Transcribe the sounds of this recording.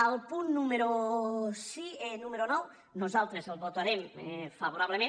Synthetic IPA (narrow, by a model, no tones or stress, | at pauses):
alˠpunːumeɾo | sienumeɾonɔw | nozalˠt̪ɾezelˠβot̪aɾemfaβoɾaβ̞lemẽ